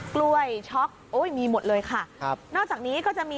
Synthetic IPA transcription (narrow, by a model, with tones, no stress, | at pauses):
klu˧əjt͡ɕʰɔ˦˥k̚ʔoː˦˥˩jmiː˧mo˨˩t̪̚lɤː˧jkʰa˥˩˦nɔː˥˩k̚t͡ɕaː˨˩k̚niː˦˥kɔː˥˩t͡ɕa˨˩ʔmiː˧